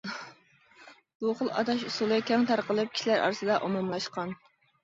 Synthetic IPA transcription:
b̥uχəlˠɑ̰t̪ɑʃusulˠɨkʲɛŋt̪ʰɑɾqəlˠɨp̚kʲʰi̥ʃilæɾʔɑ̰ɾɨsɨd̪ɑʔomɑmlˠɑʃqɑn

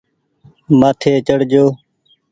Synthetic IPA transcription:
mət̪ʰeːt͡ʃəɽd͡ʒoː

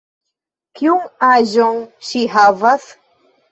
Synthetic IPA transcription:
kiuŋaʒonʃihavas

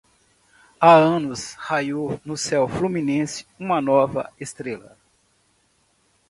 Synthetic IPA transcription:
aɐ̃nʊshajonʊsɛwflumĩnẽsɪ̥ũmɐnɔvɐ̰est̪ɾelɐ̰

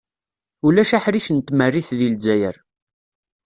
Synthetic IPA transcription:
ulæʃaħɾiʃənt̪ːmərːiθðilzæjə̰ɾ

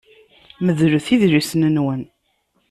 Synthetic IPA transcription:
məðɾuθiðɾisnənwən

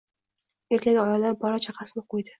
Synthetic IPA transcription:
e̞ɾkʲakʲɒjalaɾbɒɾat͡ʃʰaqʰɑsɪnɪqʰojd̪ɪ

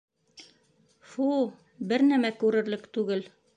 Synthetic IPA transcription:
fu | bɘɾnæmækʉɾɘ̆ɾlɘkt̪ʉɡɘl

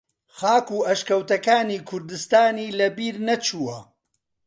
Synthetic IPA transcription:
xaːkuːɐʃkɐwt̪ɐkaːniːkʰʊɾd̪ɨst̪aːniːlɐbiːɾnɐt͡ʃʰuːwɐ

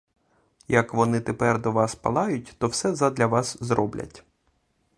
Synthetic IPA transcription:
jɐkʋɔnɪt̪epɛrd̪ɔʋɑspɐ̰lˠɑjʊt̚ʲt̪ɔwsɛzɐd̪lʲɐʋɑszɾɔblʲɐ̰tʲ

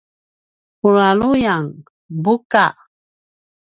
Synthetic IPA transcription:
ulalujaŋ | buka

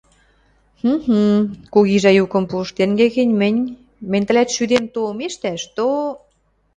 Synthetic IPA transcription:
h̩h̩kuɣiʒæjukɤ̆mpŭʃt̪eŋɡĕɣə̆nʲmə̆nʲ | mə̆nʲt̪ə̆lʲæt̪ʃyd̪emt̪omeʃt̪æʃt̪o

